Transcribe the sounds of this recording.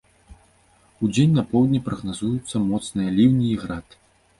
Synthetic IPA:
ud͡zʲenʲnɐpɔwd̪ʲnʲipɾɐɣnazujut̪sːɐmɔt̪snɨjɐlʲiwnʲiːɣɾat̪

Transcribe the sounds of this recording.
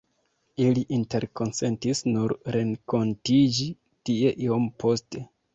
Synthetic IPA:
iliʔinte̞ɾko̞nse̞ntisnuɾɾeŋko̞ntid͡ʒi | tie̞ʔiompʰo̞ste̞

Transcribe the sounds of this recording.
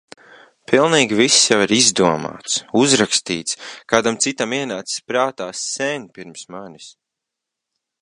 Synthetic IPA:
pilˠniːɡʲivisːjawiɾizd̪uɔma̰ːt̪suzɾakst̪iːt̪skaːd̪amt̪sit̪amiɛnaːt̪si̥spɾaːt̪aːsːɛɲʲpiɾmsmanʲis

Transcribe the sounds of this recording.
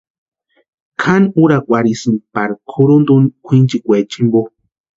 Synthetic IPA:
kʰanuɾakʷaɾisɨnpaɾkʰuɾund̪unkʷʰint͡ʃikʷet͡ʃimbo

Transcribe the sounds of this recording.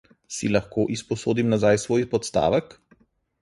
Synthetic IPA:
silaxkoːʔispɔsoːd̪imnazajsʋoːjpɔt̪st̪a̰ːʋək

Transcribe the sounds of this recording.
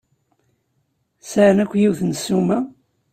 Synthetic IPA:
səɾnækʷːjiwθənsumæ

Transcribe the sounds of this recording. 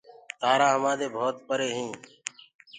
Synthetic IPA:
t̪aːɾaːɦəmaːd̪eːbʱoːt̪̚pəɾeːɦĩː

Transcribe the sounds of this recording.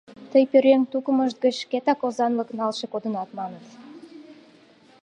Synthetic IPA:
t̪əjpøɾeŋt̪ukəməʃt̪̚ɡət͡ɕket̪ɑkozɑnləknɑlʃekod̪ənɑt̪mɑnət̪

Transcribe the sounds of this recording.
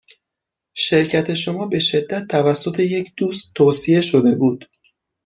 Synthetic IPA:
ʃe̞ɾcʰæt̪ʰe̞ʃo̞mɒːbe̞ʃe̞d̪ːæt̪ʰːævæsːo̞t̪ʰe̞je̞cʰd̪̥uːst̪ʰːoːsije̞ʃo̞d̪e̞buːd̪̥

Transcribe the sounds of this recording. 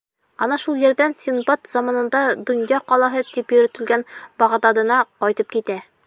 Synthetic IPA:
ɒnɑʃulˠjɘ̆ɾd̪ænsʲinbot̪zɒmɑnɤ̆nd̪ɑd̪ŏnjɑqɒlˠɑɦɤt̪ipjɵ̆ɾɵ̆t̪ɘ̆lɡænbɒʁd̪ɑd̪ɤ̆nɑqɒjt̪ɤp̚kit̪æ

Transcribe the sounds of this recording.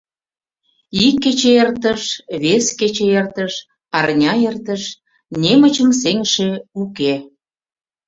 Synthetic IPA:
ikːĕt͡ɕeert̪əʃβesket͡ɕeert̪əʃ | ɑrnʲɑert̪əʃ | nʲemə̆t͡ɕə̆ms̬eŋʃeuke

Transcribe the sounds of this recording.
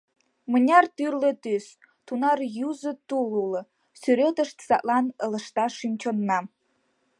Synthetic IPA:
mə̆nʲɑrt̪yrlĕt̪ys | t̪unɑrjuzə̆t̪ululɤ̆ | syɾet̪əʃt̪sɑʔ̪lɑnələ̆ʃt̪ɑʃymt͡ɕonːɑm

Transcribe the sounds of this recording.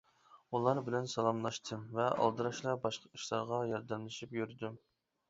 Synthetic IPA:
ulˠɑɾbɪlɛnsɑlˠɑmlˠɑʃt̪ʰɨvɛɑ̰lˠd̪ɨɾɑʃlˠɑɾbɑʃqʰɑiʃlˠɑ̰ɾʁɑjɑɾd̪ɛmlɪʃipjyɾd̪u

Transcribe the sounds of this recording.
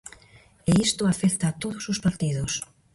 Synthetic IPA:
eist̪oafeθt̪aːt̪oðosospaɾt̪iðos

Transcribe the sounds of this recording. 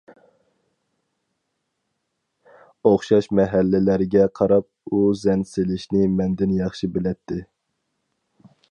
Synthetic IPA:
oχʃɑʃmɛɦælːɪlæɾɪɡʲɛqʰɑɾɑp̚uzɛnselɪʃnɪmɛnd̪ɪnjɑχʃibelɛt̪ʰːɪ

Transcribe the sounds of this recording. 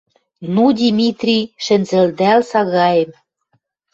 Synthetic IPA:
nud̪ʲimʲit̪rʲiʃɘ̆nzɘ̆ld̪ælsɑɣɑjĕm

